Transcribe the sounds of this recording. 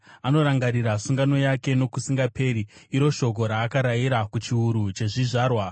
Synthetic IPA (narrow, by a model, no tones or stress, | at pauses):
ano̞ɾaŋɡaɾiɾasuŋɡano̞jake̞no̞kusiŋɡape̞ɾiːɾo̞ʃo̞k̬o̞ɾaːkaɾajiɾakut͡ʃiuɾut͡ʃe̞ʐiʐaːrwa